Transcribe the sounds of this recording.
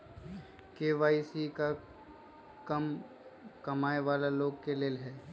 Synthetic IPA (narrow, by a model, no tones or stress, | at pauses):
keːʋaːisika | kɐm | kɐmaːeʋaːlaloːɡkeleːlɦɛː